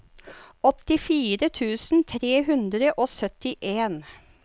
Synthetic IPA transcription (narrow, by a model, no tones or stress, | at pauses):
ɔt̪ɪfiːɾət̪ʰʉːsn̩t̪ʰɾeːhʉnd̪ɾəʔoːsœt̪ɪʔeːn